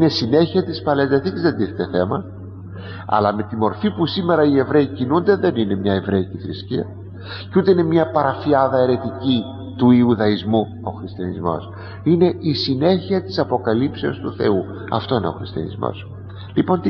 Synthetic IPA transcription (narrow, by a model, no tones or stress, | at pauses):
inesine̞çiɐt̪ispɐlezðɐθicezðed̪iθet̪eθe̞mɐ | ɐ̰lɐme̞t̪imo̞ɾfipusime̞ɾɐie̞vɾe̞icinund̪e̞ðe̞nine̞mɲɐe̞vɾeicifɾisciɐ̰ | cut̪e̞ine̞mɲɐpɐɾɐfiɐðɐe̞ɾe̞t̪ici | t̪uiuðɐizmu | o̞xɾist̪ijɐnizmo̞̰s | ine̞ʔisine̞çiɐt̪i̥sɐpo̞kɐlipseo̞st̪uθe̞̰u | ɐ̰ft̪o̞ine̞o̞̰xɾist̪iɐ̰nḭzmo̰s | lipo̞nt̪